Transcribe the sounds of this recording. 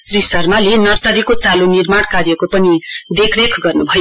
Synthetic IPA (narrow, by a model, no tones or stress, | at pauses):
srisʌrmalenʌrsʌɾikot͡salonirmaɽ̃kaɾjʌkopʌnid̪ekʰrekʰɡʌrnubʱʌjo